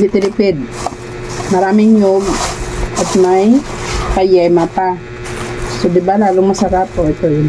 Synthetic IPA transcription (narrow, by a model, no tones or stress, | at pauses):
ɡ̪ɪt̪ɪlɪpɛd̪̚ | mɐɾaːmɪŋjoɡ̚ʔɐt̪majkɐjɛmapa | sod̪ɪbalaːlʊmosɐɾap̪oʔɛt̪ojʊn